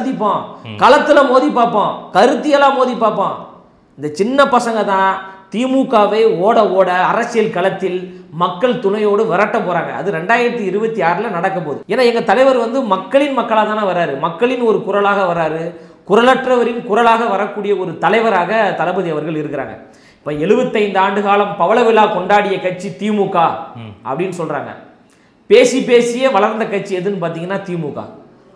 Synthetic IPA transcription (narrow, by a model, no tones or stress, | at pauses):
ɐðɪpːõːkɐlɐt̪ːɯlɐmoːðipːaːɾpːõːkɐɾɯt̪ːɪjɐlaːmoːðipːaːɾpːãː | ɪnd̪ɐt͡ʃɪnːɐpɐsɐŋɡɐt̪ãːt̪iːmuːkːaːʋɐɪoːɽɐoːɽɐːɾɐt͡ʃːɪjɐlkɐɭɐt̪ːɪlmɐkːɐɭt̪ʊlɐjoːɽɯʋɐɾɐʈːɐpoːɾaːŋɡɐ̰ɐ̰ðɯɾɛɳɖaːjɪɾɐt̪ːɯɪɾɯbɐt̪ːiaːɾɯlɐnɐɽɐkːɐpoːðɯ̰eːnːaːɛŋɡɐt̪ɐlɐɪʋɐɾʋɐnd̪ɯmɐkːɐɭɪnmɐkːɐɭaːt̪aːnaʋɐɾaːɾɯmɐkːɐɭɪnɔɾɯkʊɾɐlaːɣɐʋɐɾaːɾɯkʊɾɐlɐʈrɐʋɐɾɪnkʊɾɐlaːɣɐʋɐɾɐkːuːɽɪjɐɔɾɯt̪ɐlɐɪʋɐɾaːɣɐt̪ɐlɐbɐðiɐʋɐɾɣɐɭɪɾɯkːɪɾa̰ːŋɡɐ̰ | ɪ̥pːoːɛɭɯbɐt̪ːɐɪnd̪aːɳɖɯɣaːlɐmpɐʋɐlɐʋɪlaːkɔɳɖaːɽɪjɐkɐʈ̚t͡ʃːit̪iːmukːaːʔɐ̰pːɐɽɪnːɯsɔlra̰ːŋɡɐ̰ | peːsipeːsɪjeːʋɐɭɐɾnd̪ɐkɐʈ̚t͡ʃːiɛðɯnːɯpaːɾt̪iːŋɡɐnːaːt̪iːmukːa̰ː